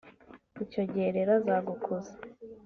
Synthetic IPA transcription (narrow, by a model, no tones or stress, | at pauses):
icoɟeɾeɾazaɡukʰuzḁ